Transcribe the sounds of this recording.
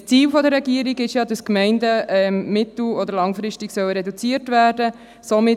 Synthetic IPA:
t͡siːlfɔdəɾɛɡiːɾiɡɪʃjɑdɑskmɛɪndəɛmɪt̪l̩ɔd̪əɾlɑŋfɾɪʃtiksœwɾɛdut͡siəɾtvæːɾdə | somɪ

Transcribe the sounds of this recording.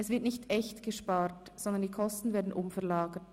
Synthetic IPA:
ɛsv̥ɪɐtnɪçtɛçtɡ̥əʃpaːɾtz̥ɔnd̪ɐndiːkʰɔstn̩veːɐdn̩ʔʊmfɛɐʁlaːɡət

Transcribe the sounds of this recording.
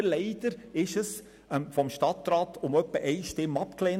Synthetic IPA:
lɛɪd̥̪əɾɪʃəs | fɔmʃtɑt̪ɾɑːt̪ʊmœpːəʔɛɪʃtɪmːɑpklɛːn

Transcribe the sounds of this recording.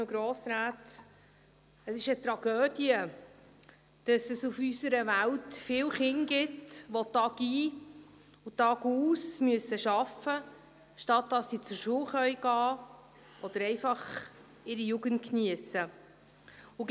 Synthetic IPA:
ɡɾɔːsɾæːt | əsɪʃət̪ɾɑɡ̥øːd̥iə | d̥ɑsəsufysəɾəʋæltfɪːlχɪŋɡɪtʋɔtɑːɡiː | utɑɡuːsmyəsəʃɑfə | ʃtɑt̚dɑsːit͡sʊɾʃuəwχœʏjɡ̥ɑː | ʔɔd̥̪əɾɛɪfɑχ | ɪɾijuɡənt̚kniəsə | ʊ

